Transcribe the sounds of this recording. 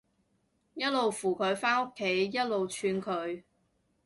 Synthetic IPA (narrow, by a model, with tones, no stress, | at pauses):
jɐ˥t̚lo˨wfuː˨˩kʰɵ˨˧ɥfaː˥no˥kʰːe˨˥jjɐ˥t̚lo˨wt͡ʃʰyː˧nkʰɵ˨˧ɥ